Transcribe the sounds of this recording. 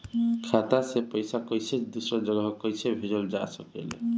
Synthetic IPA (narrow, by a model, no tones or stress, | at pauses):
kʰat̪asepɔjsakɔjsʰed̪usɾɔd͡ʒɔɡaɦɔkɔjsʰebʱid͡ʒɔld͡ʒasɔkḛlḛ